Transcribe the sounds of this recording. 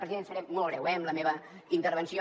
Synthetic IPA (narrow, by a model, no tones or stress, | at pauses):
ɾəziðensəɾɛmolˠβɾɛwɛəmləmeβə | int̪əɾβ̞ənsio